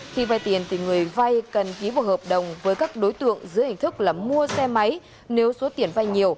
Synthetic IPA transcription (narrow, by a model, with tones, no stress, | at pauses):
xi˧va˧jt̪i˨˩ənt̪ʰi˨˩ŋɨ˨˩əjva˧jkə˨˩nki˨˦ɓaː˨˧˩həː˨˩p̚ɗə˨˩wŋ͡mvəː˨˦jkaː˦˥k̚ɗo˨˦jt̪ɨ̰˧˨əŋzɨ̰˨˧˥əhï˨˩ŋ̟t̪ʰɨ˦˥k̚laː˨˩mu˧əsɛ˧ma˨˦j | ne˨˦wso˨˦t̪i˨˩ənva˧jɲi˨˩əw